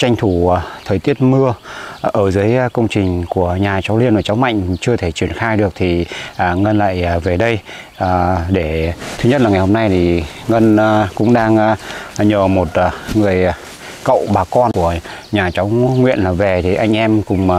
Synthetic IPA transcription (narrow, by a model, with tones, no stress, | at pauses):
t͡ɕa˧jŋ̟t̪ʰu˧˩˨t̪ʰəː˨˩t̪i˦˥ət̚mɨ˧əʔəː˧˩zɨ˨˦jkə˧wŋ͡mt͡ɕï˨˩ŋ̟ku˧˩əɲaː˨˩t͡ɕa˨˦wli˧nvaː˨˩t͡ɕa˨˦wma̰˧˨jŋ̟t͡ɕɨ˧ət̪ʰe˧˩t͡ɕwi˧˩ənxaː˧jɗɨ˨˩ək̚t̪ʰi˨˩˨ŋə˧nla̰ː˧˨jve˨˩ɗə˧jː | ɗe˧˩t̪ʰɨ˧ɲə˦˥t̚laː˨˩ŋa˨˩jho˧mna˧jt̪ʰi˨˩ | ŋə˧n˧kʊ̰˧˥ŋ͡mɗaː˧ŋ˧ɲəː˨˩mo˨˩t̚ŋɨ˨˩əj | kə̰˧˨wɓaː˨˩kɔ˧nku˧˩əɲaː˨˩t͡ɕa˨˦wŋwḭ˧˨ənlaː˨˩ve˨˩t̪ʰi˨˩ʔa˧jŋ̟ʔɛ˧mkʊ˨˩ŋ͡m